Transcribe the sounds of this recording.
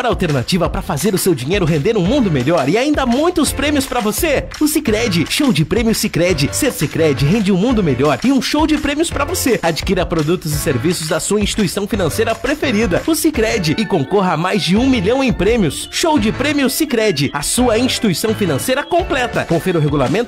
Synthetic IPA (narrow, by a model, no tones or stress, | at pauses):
ɾɐawˠt̪eɾnat͡ʃivɐpɾɐfazeɾʊsewd͡ʒĩɲejɾʊɦẽnd̪eɾũmũnd̪ʊmeʎɔɾɪaĩnd̪ɐmũj̃t̪ʊspɾẽmjʊspɾɐvoseʊsikɾɛd͡ʒɪʃowd͡ʒɪpɾẽmjʊsikɾɛd͡ʒɪseɾsikɾɛd͡ʒɪɦẽnd͡ʒɪũmũnd̪ʊmeʎɔɾɪũʃowd͡ʒɪpɾẽmjʊspɾɐvosead͡ʒikiɾɐpɾod̪ut̪ʊzɪseɾvisʊzd̪ɐsuɐĩsʃt͡ʃi̥t̪uisɐ̃w̃finɐ̃sejɾɐpɾefeɾid̪ɐʊsikɾɛd͡ʒɪɪkõŋkoɦɐmajzd͡ʒɪũmiʎɐ̃w̃ẽj̃pɾẽmjʊsʃowd͡ʒɪpɾẽmjʊsikɾɛd͡ʒɪɐsuɐĩst͡ʃi̥t̪uisɐ̃w̃finɐ̃sejɾɐkõplɛt̪ɐkõfɛɾʊɦeɡulamẽnt̪ʊʊ